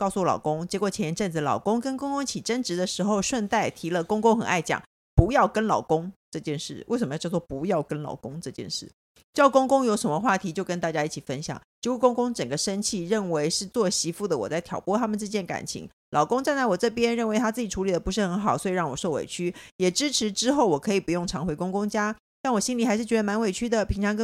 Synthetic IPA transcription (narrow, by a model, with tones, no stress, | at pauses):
kɑ˥˧ʊsu˥˩lɑ̰˨˩ʊkʊ˥ŋt͡ɕjɛ˧˥kwɔ˨˩t͡ɕʰɛ˧˥njɛ˥nʈ͡ʂə˥˩nt͡s̩˨˩lɑ̰˨˩ʊkʊ˥ŋkə˥nkʊ˥ŋkʊ˥ŋi˩t͡ɕʰi˨˩ʈ͡ʂə˥nʈ͡ʂɻ̩˧˥d̪ə˨ʂɻ̩˧˥xo˥˧ʊʂwə˥˧nt̪a˥˩ɪt̪ʰi˧˥lə˨kʊ˥ŋkʊ˥ŋxə˨˩na˥˩ɪt͡ɕjɑ̰˨˩˦ŋ | pu˧˥jɑ˥˩ʊkə˥nlɑ̰˨˩ʊkʊ˥ŋʈ͡ʂɤ˥˧t͡ɕjɛ˥˧nʂɻ̩˥˩we˥˩ʂə˨˩mə˧˥˧jɑ˥˧˩sʰwɔ˥ɔ˥pu˧˥jɑ˥˩ʊkə˥nlɑ̰˨˩ʊkʊ˥ŋʈ͡ʂɤ˥˧t͡ɕjɛ̰˥˧nʂɻ̩˥˩ | t͡ɕjʊkʊ˥ŋkʊ˥ŋjo˧˥ʊʂə˧˥nmə˧xwa˥˩t̪ʰi˧˥t͡ɕjo˥˧ʊkə˥nt̪a˥˩t͡ɕja˥i˥˩t͡ɕʰi˨˩fə˥nɕjɑ̰˨˩˦ŋt͡ɕi˧˥u˥˩kʊ˥ŋkʊ˥ŋʈ͡ʂə˨˩ŋɡə˩˦ʂə˥nt͡ɕʰi˥˩ɻə˥˩nwe˧˥ɪʂɻ̩˥˧t͡swɔ˥˩ɕi˧˥fu˥˩d̪ə˩wɔ̰˨˩t͡sa˥˩ɪt̪ʰjɑ̰˨˩ʊpwɔ˥˩t̪ʰa˥mə˨nʈ͡ʂ̩˥˧t͡ɕjɛ˥˩nka̰˨˩nt͡ɕʰḭ˧˥ŋ | lʔɑ˨˩ʊkʊ˥ŋt͡sa˥˧nla˧˥ɪwɔ˨˩ʈ͡ʂɤ˥˩p̬jɛ˥nɻə˥˩nwe˧˥ɪt̪ʰa˥t͡sɹ̩˥˩t͡ɕi˨˩ʈ͡ʂʰu˧˥li˨˩d̪ə˩pu˧˥ʂ̬ɻ̩˥˩xə˧˥nxɑ˨˩ʊswɔ˧˥i˨˩ɻɑ˥˩ŋwɔ˨˩ʂo˥˩ʊwḛ˨˩ɪt͡ɕʰy˥jɛ˨˩ʈ͡ʂɻ̩˥ʈ͡ʂʰɻ̩˧˥ʈ͡ʂɻ̩˥xo˥˩ʊwɔ˨˩kʰɤ˧˥i˨˩pu˧˥jʊ˥˩ŋʈ͡ʂʰɑ˧˥ŋxwe˧˥kʊ˥ŋkʊ˥ŋt͡ɕja˥ | t̪a˥˩nwɔ˨˩ɕi˥nli˨˩xa˧˥ɪʂɻ̩˥˩t͡ɕɥɛ˧d̪ə˧ma˧˥nwe˨˩ɪt͡ɕʰy˥d̪ə˨pʰi˧˥ŋʈ͡ʂʰɑ˧˥ŋk